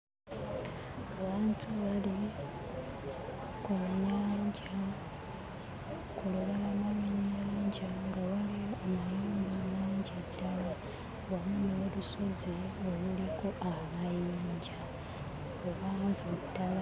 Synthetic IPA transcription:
ŋaβaːntʰuβali | kuɲaːɲɟa | kuloβelamaɲɲːaaːɲɟaŋɡaβaliomuneːɲbaamaːɲɟedːala | βamuneoluso̞zio̞luliko̞ʔaβajiːɲɟa | oβaːɱvudːala

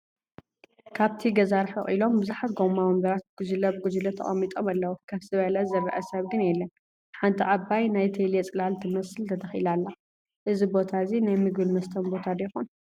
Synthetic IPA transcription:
kʰaβt̪ʰiɡɐzaɾħɐʔʼʔilo̞mbɨzuħat̪ɡomamɐmbɐɾat̪̚ɡ̥ud͡ʒlɐbɨɡud͡ʒlɐt̪ʰɐ̰χʼɐmːit̪ʼomalːɐwukʰaβsɨβɐlɐzɨrɐ̰ʔɐsɐβɡɨnjɛlːɐn | ħant̪ʰiʔabajnajt̪ʰelɛt͡sʼɨlalt̪ʰɨmɐsɨlt̪ʰɐt̪ʰɐxilalːa | ʔɨzibo̞t̪ʰazinajmɨɡɨlmɐst̪ʰɐnbo̞t̪ʰad̪ɐjɛxun

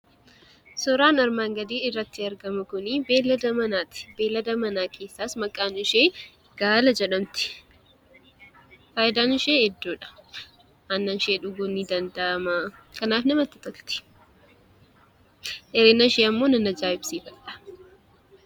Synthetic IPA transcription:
sɔɾaːnɐɾmaːŋɡɐd̪iːɪrːɐt̪ːɪɐɾɡɐmɐkʊnibeːlːɐd̪ɐmɐnaːt̪ɪ̥beːlːɐd̪ɐmɐnaːke̞ːsːaːsmɐkʼːaːnʊʃeː | ɡ̥aːlɐd͡ʒɛᶑɐmt̪ɪ̥ | faːʔɪd̪aːnɪʃeːhɛd̪ːuːᶑɐ̥ | ɐnːɐnʃeːᶑʊɡuːnːiːd̪ɐnd̪ɐʔɐmakɐnaːfnɐmɐt̪ːɪt̪ɔlt̪ɪ̥ | ʔɛɾeːnːɐʃeːɐmːo̞ːnɐnɐd͡ʒaːɪbsiːfɐᶑɐ̥

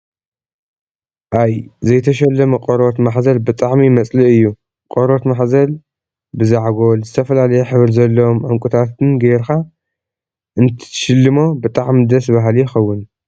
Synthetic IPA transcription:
ʔajzɐjt̪ʰɐʃɐlːɐmɐkʼoɾot̪maħzɐlbɨt̪ʼaʕmimɐt͡sʼliʔɨjːu | qʼoɾo̞t̪maħzɐl | bɨzaʕɡo̞lzɨt̪ʰɐfɐlalɐjeħɨβlzɐlːɐomʕɨŋkʷʼut̪ʰat̪ɨnɡɐjɾxa | ʔɨnt̪ʰʃɨlːɨmo̞bɨt̪ʼaʕmid̪ɐsbaɦalijɪxɐwːʊn

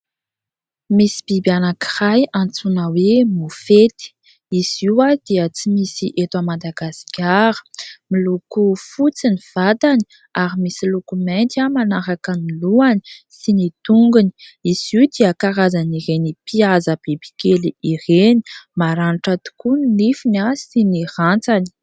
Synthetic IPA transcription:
misi̥b̥ibianaki̥rajant͡sunəwemufet̪i̥ | iziwad̪̥iət͡simisiʔet̪wamad̪aɡaskʲaɾə̥milukufut͡siniv̥at̪ani | aɾimisilukument̪amanaɾakəmiluani̥sinit̪uŋɡuni̥iziud̪iəkaɾazaniɾenipʰiazəb̥ebi̥keliireni̥maɾaniʈ͡ʂat̪u̥kunilifinasinirant͡sani̥

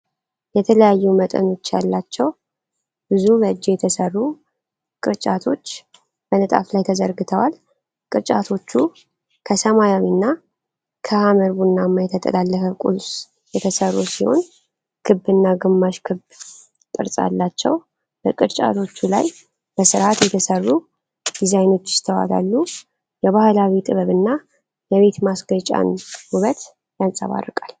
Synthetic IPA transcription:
jɛt̪ʰələjajːumət̪ʼə̰no̞t͡ʃːjalːat͡ʃːɛw | bɨzubəɨd͡ʒːejɛt̪ʰəsərːu | kʼɨɾt͡ʃʼat̪ʰo̞t͡ʃː | b̥ənət̪ʼa̰flajt̪ʰəzəɾɡɨt̪ʰəwal | kʼɨɾt͡ʃʼat̪ʰo̞t͡ʃːu | kʰəsəmajawinːa | kʰəhaməɾβunːamːajɛt̪ʰət̪ʼə̰lalːəfəkʼṵls | jɛt̪ʰəsərːusiho̞̰n | kʰɨbːɨnːaɡɨmːaʃkʰɨb | t̪ʼɨ̰ɾsʼa̰lːat͡ʃːɛ̰w | b̥əkʼɨɾt͡ʃʼa̰t̪ʰo̞t͡ʃːula̰j | b̥əsɨɾʔat̪jɛt̪ʰəsərːu | d̪̥izajno̞t͡ʃːjɪ̥st̪ʰəwa̰la̰lːu | jɛβahlawit̪ʼɨβəβɨnːa | jɛβe̞t̪masɡət͡ʃʼa̰nwuβət̪ | jansʼə̰βa̰rːɨkʼal

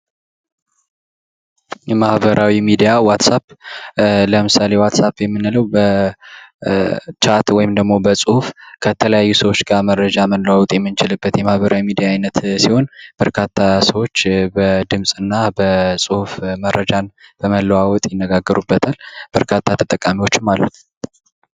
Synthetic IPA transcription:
jɛmahβəɾʔawimid̪ijawat̪sap | ləmɨsale̞wat̪sapjɛmːɨnɨləwbə | t͡ʃʰat̪wɔjɪmd̪əɡmo̞bəsʼuhufkʰət̪ʰələjajːusəwo̞t͡ʃːɡamərːəd͡ʒaməlːəwawɔt̪ʼjɛmːɨnt͡ʃɪlɨbːət̪jɛmahβəɾʔawimid̪ijaːjnət̪siho̞nb̥əɾkʰat̪ʰːasəwo̞t͡ʃːbəd̪ɨmsʼɨnːabəsʼuhufmərʔəd͡ʒanb̥əməlːəwawɔt̪ʼjɪnːəɡaɡːəɾubːət̪ʰalb̥əɾkʰat̪ʰːat̪ʰət̪ʼəkʼːamiwo̞t͡ʃːɪmalːṵt̪

